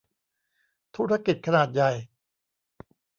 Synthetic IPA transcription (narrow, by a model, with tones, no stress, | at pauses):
t̪ʰuː˦˥ɾa˧ki˨˩t̪̚kʰa˧naː˨˩t̪̚ja˨˩j